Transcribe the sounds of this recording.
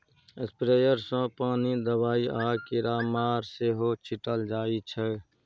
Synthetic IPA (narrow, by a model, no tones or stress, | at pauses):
espɾeːjəɾsə̃paːnid̪əbaːiʔaːkiɾaːmaːɾseɦot͡ʃʰiʈəld͡ʒaːit͡ʃʰɛ